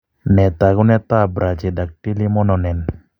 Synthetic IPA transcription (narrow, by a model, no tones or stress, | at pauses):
nɛt̪aɡunɛt̪aːbɾad͡ʒed̪ak̚ʈilimɔnɔnɛn